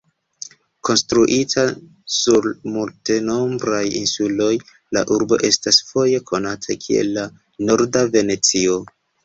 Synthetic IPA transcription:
ko̞nstɾuʔitʰa | suɾmulte̞no̞mbɾajḭnsulo̞j | la̰ʔuɾbo̞̰ʔe̞stasfo̞je̞kʰo̞natʰakʰie̞̰lːa | no̞ɾdave̞ne̞t͡sio

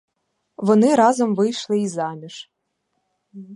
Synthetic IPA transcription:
ʋɔnɪɾɑzɔmʋɪjʃlˠɪizɑmʲiʒ

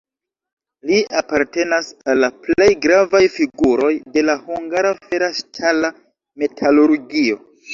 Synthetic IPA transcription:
liapaɾte̞nasalːaple̞jɡɾavajfiɡuɾo̞jde̞lahuŋɡaɾafe̞ɾaʃtʰala | me̞tʰaluɾɡio̞

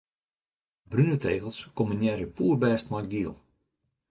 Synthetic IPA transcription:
brynəteːɣəlˠskomənjɛɾjəpuːrbɛːstmɔjɡiəlˠ

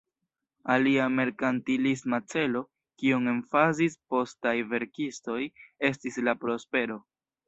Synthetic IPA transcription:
aliame̞ɾkantilismat͡se̞lo̞ | kioŋe̞nfazispo̞stajve̞ɾkisto̞je̞stislapɾo̞spe̞ɾo̞

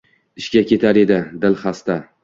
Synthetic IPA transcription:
ɪʃkʲakʲʰe̞t̪ʰaɾe̞d̪ɪd̪ɪlχast̪a

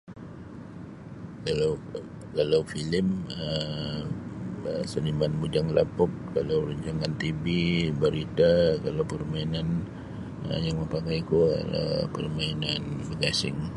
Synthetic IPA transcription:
kalaw | kalawfilɪmə | sənimanmud͡ʒaŋla̰pʊk̚kalawɾəɲd͡ʒaŋant̪ibibəɾit̪akalawpərmainan | ə̰jaŋməmpakajkuə̰pə̰rmainanbəɡasɪ̰ŋ

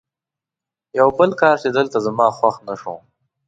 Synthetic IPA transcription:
jawbəlkɑːɾt͡ʃed̪əlt̪azamɑːxwaxnaʂo̰

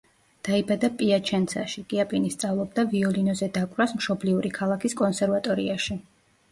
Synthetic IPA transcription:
d̪̥aibad̪apʼiat͡ʃʰɛnt̪sʰaʃiɡʼiapʼinist̪sʼavlˠɔb̚d̪aviɔlinɔzɛd̪akʼvɾasmʃɔbliuɾikʰalˠakʰiskʼɔnsɛɾvat̪ʼɔɾḭaʃi

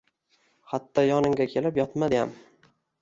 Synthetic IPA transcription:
hat̪ʰːɒjɒnɪŋɡʲakʲʰe̞lɪpjɒt̪mad̪ɪja̰m

